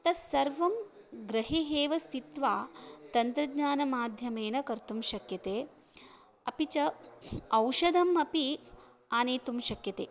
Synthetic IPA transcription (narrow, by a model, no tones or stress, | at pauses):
t̪ɐsɐɾʋɐm | ɡɾɐɦiɦeːʋɐst̪ʰit̪ʋaːt̪ɐnt̪ɾɐɡɲaːnɐmaːd̪ʱjɐmeːnɐkɐɾt̪umʃɐkjɐt̪eː | ɐpit͡ʃɐɐwʃɐd̪ʱɐmɐpi | aːneːt̪umʃɐkjɐt̪eː